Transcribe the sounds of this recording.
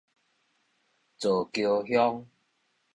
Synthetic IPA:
t͡so˨˩kjo˧ɦjɔ˦ŋ

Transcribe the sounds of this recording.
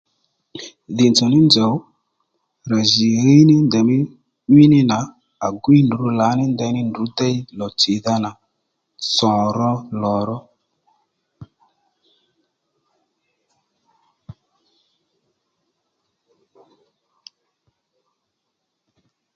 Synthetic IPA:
ðɪ˨nt͡sɔ˨nɪ˦nd͡ʒə˨w | ɾa˨ʒi˨ɾi˦nɪ˦nd̪ɛ˨mɪ˦ | i˦nɪ˦na˨˦ | a˨ɡwi˦ndu˨˦la˨˦nɪ˦nd̪ɛ˧nɪ˦ndu˨˦dɛ˦i˦lɔ˨t͡sɪ˨ða˧na˨ | sɔ̃˨ɾɔ˧lɔ˨ɾɔ˦

